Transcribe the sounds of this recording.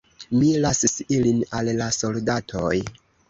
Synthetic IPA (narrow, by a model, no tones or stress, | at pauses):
milasisilinalːaso̞ldatʰo̞j